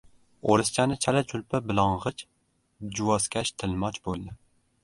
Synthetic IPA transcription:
oɾɨst͡ʃʰanɪt͡ʃʰalɛt͡ʃʰʊlpʰabɪlˠɑɴʁɨt͡ʃ | d͡ʒuwɒskʲæʃt̪ʰɪlmɒt͡ʃbolˠd̪ɪ

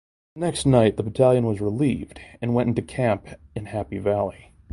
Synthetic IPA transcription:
ɨnɛkstⁿnaɪt̪̚ðəbətʰælˠjɨ̃nwʌzɹəlivdɨ̃nwɛ̃ɾ̃ɪ̃ntʉkʰæ̃mpɨ̃nhæpivælˠi

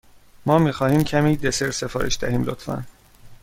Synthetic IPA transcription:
mɒːmiːxɒːhiːmcʰæmiːd̪eseɾsefɒːɾḛʃd̪æ̰hiːmlot̪fæ̰n

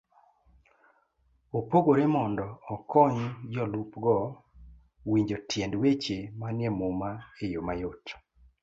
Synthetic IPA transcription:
opoɡoɾemɔndɔːkɔɲd͡ʒɔlupɡɔ | wiɲd͡ʒotjendwet͡ʃemanjɛmʊmaejomajot

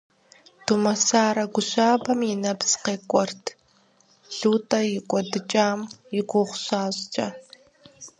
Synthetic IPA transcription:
tumɐsaːɾɐɡʷʊɕaːbɐmɪnɐpsqeːkʷʼɔrtʰ | ɬuːtʼɐjɪkʷʼɔdɨt͡ʃʼaːmjɪɡʷʊʁʷɕaːɕt͡ʃʼɐ

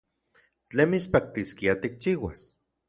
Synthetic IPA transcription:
t͡ɬemispak̚t̪iskiat̪ik̚t͡ʃiːwas

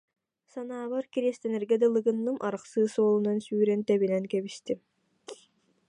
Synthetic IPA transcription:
sanaːβaɾkiɾiɛst̪ɛnɛɾɡɛd̪ɛlˠɯɡɯnːɯmʔaɾɯqsɯːsɔːlˠunansyːɾɛnt̪ɛβinɛnkɛβist̪im

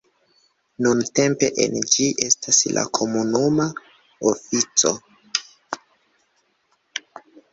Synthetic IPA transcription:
nunte̞mpe̞ʔḛnd͡ʒiʔe̞stasla̰kʰo̞munuma | ofit͡so̞̰

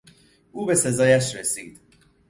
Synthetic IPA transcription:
ʔuːbe̞se̞zɒːjæʃɾesiːd̪̥

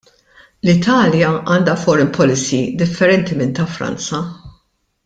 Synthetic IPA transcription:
lɪt̪ʰɐːljɐɐːnd̪ɐfɔɾɛmpʰɔlɪsiːd̪ɪfːɛɾɛnt̪imɪnt̪ɐfɾɐ̰nt͡sɐ

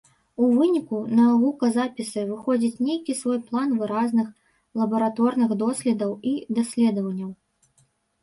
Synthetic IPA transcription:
uvɨnʲikunavukɐzapʲisɨvɨxɔd͡zʲit͡sʲnʲejkʲisvɔjplˠanvɨɾaznɨx | lˠɐbɐɾat̪ɔrnɨxd̪ɔsʲlʲɛd̪ɐwid̪asʲlʲɛd̪ɐvɐnʲːɐw

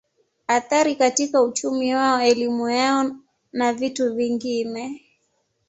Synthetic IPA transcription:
aθaɾikatikaut͡ʃumiwaɔɛlimujaɔ | navituviŋɡinɛ

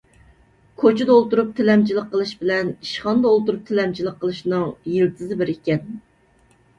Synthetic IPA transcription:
kʰot͡ʃʰɪd̪ɛolˠt̪uɾup̚t̪ʰɪlɛmt͡ʃʰilˠəqʰːəlˠɨʃbɪlɛniʃχɑnd̪ɑolˠt̪uɾup̚t̪ʰɪlɛmt͡ʃʰilˠəqʰːəlˠɨʃnɨŋjilt̪ʰɨzɨbɪɾekʲɛn

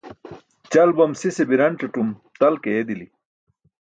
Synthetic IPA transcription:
t͡ɕɐlbɐmsisebiɾɐnʈ͡ʂɐʈumt̪ɐlkeːd̪ili

